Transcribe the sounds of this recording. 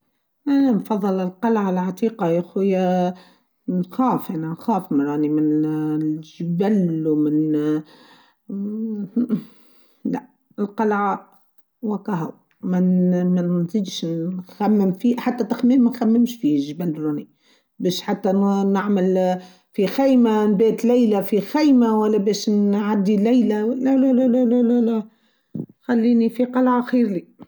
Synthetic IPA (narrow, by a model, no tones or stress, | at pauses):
ʔænænfɑðˤːɨlɪlqɑlʕalʕɑt̪ˤiːqɑæxwɪjːæ | nxæːfʔænænxæːfmnɾˤɑːnimɪn | ʒbælwmɪn | læ | ɪlqɑlʕa | wækɑɦæw | mænmænziːd̪ʃnxæmːəmfiːħat̪ːæt̪ɪxmiːmmːænxæmːɪmʃfiːʒbænɾˤɑni | bɛːʃħat̪ːænaʕməl | fixæjmanbɛːt̪læjlæfixæjmawælːæbɛːʃnʕad̪ːilæjlælælælælælælælæ | xælːiːnifiqɑlʕaxiːɾli